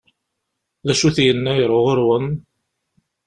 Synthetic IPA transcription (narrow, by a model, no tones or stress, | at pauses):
ðæʃuθjənːæjɾˤoʁʊɾwən